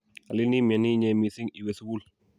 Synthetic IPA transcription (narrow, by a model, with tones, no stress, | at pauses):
a˨li˦ni˦me˨ni˦ɲe˨mi˨si˦ŋi˨wesu˦bu˦l